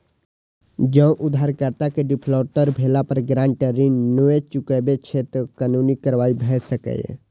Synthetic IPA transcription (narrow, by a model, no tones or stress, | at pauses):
d͡ʒəʔʊd̪ʱɦaːɾkəɾt̪akeɖɪpʰlɔːʈəɾbʱeːlapəɾɡɾãːɳʈəɾinːəet͡ʃʊkebet͡ʃʰet̪əkaːnunikəɾʋaːibʱɛsəkə̰j̰